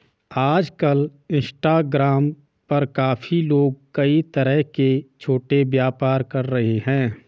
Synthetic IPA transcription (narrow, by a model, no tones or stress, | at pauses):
aːd͡ʒkəlɪ̃nsʈaːɡɾaːm | pɐɾkaːfʰiloːɡ̚kəit̪əɾəɦket͡ʃʰoːʈebjaːpaːɾkɐɾːɐɦeɦɛ̃ː